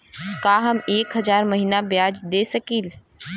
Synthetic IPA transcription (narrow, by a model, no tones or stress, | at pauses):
kaːɦɐmeːkɦɐzaːɾmɐɦiːnabjaːd͡ʒd̪eːsəkiːl